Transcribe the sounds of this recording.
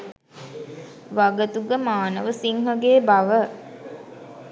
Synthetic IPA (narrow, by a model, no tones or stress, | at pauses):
ʋaɡət̪uɡəmaːnəʋəsiŋɦəɡeːbaʋə